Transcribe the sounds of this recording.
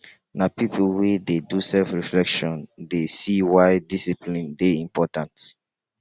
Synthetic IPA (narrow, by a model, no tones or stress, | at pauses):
napipʰulwededusɛlfɹiflɛkʃɔ̃ndesiwaɪdisiplĩndeĩmpʰɔtãnt